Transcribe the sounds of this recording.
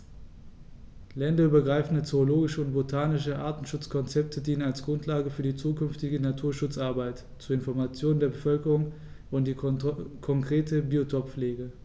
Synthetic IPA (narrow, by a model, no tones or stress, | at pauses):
lɛndɐyːbɐɡʁaɪfn̩dət͡sooloːɡɪʃəʊntb̥otʰaːnɪʃ̬əʔaːɐtn̩ʃʊt͡skʰɔnt͡sɛp̚tʰədiːnənalsɡ̥ʁʊntʰlaːɡəfyːɐdiːt͡suːkʰʏnftɪɡənatʰuːɐʃʊt͡saɐbaɪt | t͡suɐɪnfɔɐmat͡sjoːnəndeːɐbəfœlkəʁʊŋ | ʔʊntd̥iːkʰɔŋkʁ̥eːtʰəbiːotʰɔpfleːɡə